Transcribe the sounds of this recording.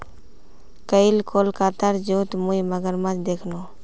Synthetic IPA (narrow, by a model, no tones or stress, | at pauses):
kəɪlkʰoːlkaːt̪aɾd͡ʒoːt̪muiməɡəɾmãt͡ʃd̪eːkʰnoː